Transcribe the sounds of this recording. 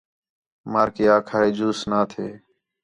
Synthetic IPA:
maːɾkeːaːkʰaːeːd͡ʒuːsnaːt̪ʰeː

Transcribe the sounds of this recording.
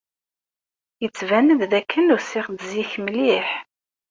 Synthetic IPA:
jət͡sːvænəððækʰːənusɪʁd̪ziçmliħ

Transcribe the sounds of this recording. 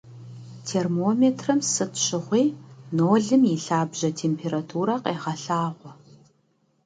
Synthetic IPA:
tʰeːrmoːmeːtʰrɐmsɨtʰɕɪʁʷiːnoːɮɨmiɬaːbʑɐtʰeːmpʰeːɾatʰuːɾɐqeːʁɐɬaːʁʷɔ

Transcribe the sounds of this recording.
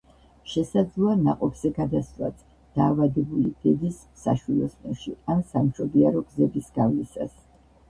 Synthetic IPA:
ʃɛsad̪zlˠɔana̰qʼɔbz̥ɛɡad̪asva̰t̪ | d̪̥aːvad̪ɛbulid̪̥ɛd̪isːa̰ʃwilˠɔsmʼɛnʃiansamʃɔbiaɾɔɡzɛbisɡ̥avlisa̰s

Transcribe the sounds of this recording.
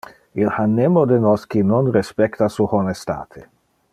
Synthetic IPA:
ilhanːemod̪enɔsk̟inɔnrespɛkt̪asuxonest̪a̰ːt̪ʰe

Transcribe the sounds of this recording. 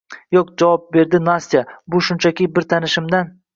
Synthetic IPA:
jokd͡ʒavɒp̚be̞ɾd̪ɪnast̪ijabʊʃʊnt͡ʃʰakʲɪbɪɾt̪ʰanɪʃɪmd̪an

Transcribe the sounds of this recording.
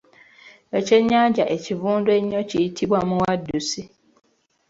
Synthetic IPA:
et͡ʃeɲːaɟaʔecivuːndweɲːot͡ʃitʰibwamũwadːusi

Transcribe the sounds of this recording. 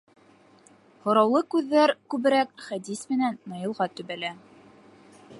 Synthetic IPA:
hŏɾɑwlˠɤkʉðːæɾkʉβɘ̆ɾæk̚χæd̪ismɘ̆nænːɤ̆jɤ̆lˠʁɑt̪ɵ̆βælæ

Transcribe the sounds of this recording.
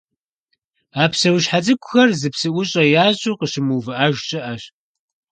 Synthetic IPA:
aːpsɐwɕħat͡sʼɨkʷʰʼʊxɐrzɨpsɨʔʷʊɕʼɐjaːʑʼuqəɕɪmuːvɨʔaʒɕʼɪʔɐɕ

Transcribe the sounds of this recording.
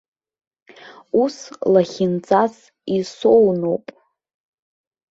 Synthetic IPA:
uslaχʲɪnt͡sʼas | isownowpʼ

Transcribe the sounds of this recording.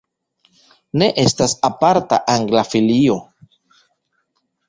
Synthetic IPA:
ne̞ʔe̞stasapaɾta̰ʔaŋɡlafilio̞

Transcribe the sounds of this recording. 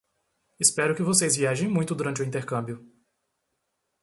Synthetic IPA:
ɪspɛɾʊkɪvosejzviaʒẽj̃mũj̃t̪ʊd̪uɾɐ̃nt͡ʃɪʊĩnt̪eɾkɐ̃mbjʊ

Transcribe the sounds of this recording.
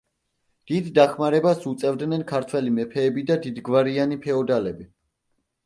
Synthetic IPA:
d̪̥id̪ːaχmaɾɛbasut̪sʼɛvd̪nɛnkʰaɾt̪ʰwɛlimɛpʰɛːbid̪ad̪id̪ɡvaɾianipʰɛɔd̪alɛbi

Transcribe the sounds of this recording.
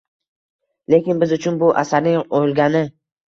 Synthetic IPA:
le̞kʲɪnbɪzʊt͡ʃʰʊnbʊʔa̰saɾnɪŋojlˠɡʲanɪ

